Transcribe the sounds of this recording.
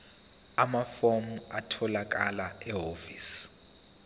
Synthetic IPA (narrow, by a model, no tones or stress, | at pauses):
amafomuatʰɔlak̬alaɛɦofiːs